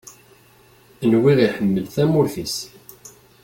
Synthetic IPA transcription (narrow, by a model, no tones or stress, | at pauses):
ənwiʁiħəmːəlθæmʊɾθis